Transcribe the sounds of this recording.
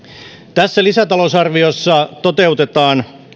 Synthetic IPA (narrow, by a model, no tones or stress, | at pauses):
t̪æsːælisæt̪ɑlosɑrʋiosːɑt̪ot̪e̞ut̪et̪ɑːn